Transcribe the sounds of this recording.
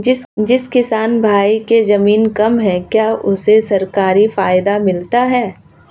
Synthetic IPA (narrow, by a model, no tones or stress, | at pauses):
d͡ʒɪskɪsaːnbʱaːikezɐmiːnkɐmɦɛ̃kjaːʔʊsesɐɾkaːɾifaːjd̪amɪlt̪aɦɛː